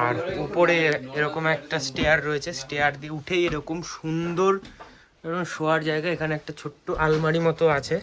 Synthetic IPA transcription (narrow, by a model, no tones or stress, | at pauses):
aɾupoɾeeɾɔkomɛk̚ʈasʈeaɾːoet͡ɕʰesʈejaɾd̪ieuʈʰejeɾɔkomʃund̪oɾ | eoʃoaɾd͡ʑaeɡaeekʰaneɛk̚ʈat͡ɕʰoʈːoʔalmaɽimɔt̪oat͡ɕʰe